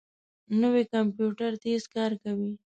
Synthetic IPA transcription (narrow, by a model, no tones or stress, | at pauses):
nəwekampjuʈaɾt̪eskɑɾkawi